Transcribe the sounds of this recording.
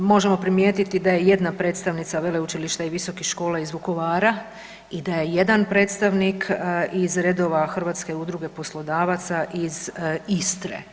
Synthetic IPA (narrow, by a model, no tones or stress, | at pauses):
mo̞ʒe̞mo̞pɾimjeːt̪it̪id̪aje̞je̞d̪napɾe̞ːt̪st̪aʋnit̪saʋe̞leut͡ʃiliʃt̪aiʋiso̞kixʃko̞ːlˠaizʋuko̞ʋaːɾa | id̪aje̞je̞d̪anpɾe̞ːt̪st̪aʋnikʰizɾe̞d̪o̞ʋaxr̩ʋat̪ske̞ud̪ɾuɡe̞po̞slˠo̞d̪aːʋat̪saʔizist̪ɾḛ